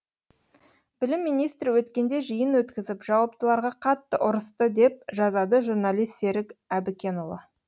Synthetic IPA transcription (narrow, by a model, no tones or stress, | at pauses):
bɪlɪmːijnijst̪ɾɪwɵt̪kʲe̞nd̪e̞ʒəjənwɵt̪kʲɪzɪpʒ̥ɑwɑp̚t̪əlˠɑɾʁɑqʰɑt̪ːəʔʊɾəst̪əd̪e̞p̚ʒɑzɑd̪əʒuɾnɑlʲijst̪se̞ɾɪkæbɪkʲe̞nolˠə̰